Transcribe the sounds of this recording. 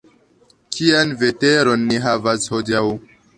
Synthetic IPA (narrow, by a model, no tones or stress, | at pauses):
kʰianveteɾo̞nːiɦavashodiaw